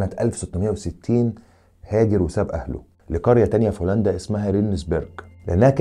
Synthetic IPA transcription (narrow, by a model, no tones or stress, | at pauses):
næt̪ʔæ̰lfsot̪ːomejːæweset̪ʰːiːn | hæːd̪eɾwesæbʔæ̰hlo̰ | leqɑɾjæt̪ænjæfolænd̪æʔesmæɦæɾinːesbeɾɡ̥leʔenːæhæk